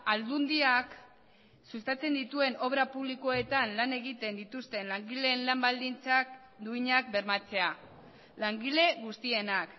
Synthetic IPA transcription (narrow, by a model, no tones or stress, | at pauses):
ald̪und̪iak | sust̪at͡se̞nd̪it̪ue̞no̞βɾapuβliko̞e̞t̪anlane̞ɣit̪e̞nd̪it̪ust̪e̞nlaŋɡile̞ːnlambald̪int͡sak | d̪uiɲak̚be̞ɾmat͡se̞a | laŋɡile̞ɣust̪ie̞nak